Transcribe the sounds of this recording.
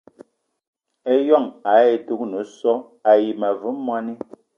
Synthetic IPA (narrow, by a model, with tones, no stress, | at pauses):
e˦jɔ˦˨ŋa˨˦e˦˨tu˦k̚nu˨˦sɔ˦ | a˨ji˨ma˨vu˨˦mːwa˦ni˦